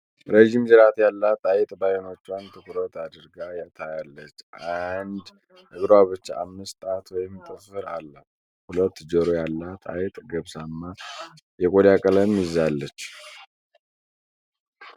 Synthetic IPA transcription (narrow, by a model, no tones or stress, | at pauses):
ɾeʒimzɨɾat̪jalːat̪ʼajɪt̪ʼbajɛno̞t͡ʃːwant̪ʰɨkɨɾət̪ʰad̪ɨɾɡajat̪ʰajalːət͡ʃːʔand̪ | ɨɡɾwaβɨt͡ʃːaʔamːɨst̪ʼat̪wɔjɪmt̪ʰʼəfɨɾa̰lːa | hulət̪ːd͡ʒəɾojalːat̪ʼa̰jɪt̪ʼɡəβsamːa | jɛkʼod̪jakʼələmɪzalːət͡ʃː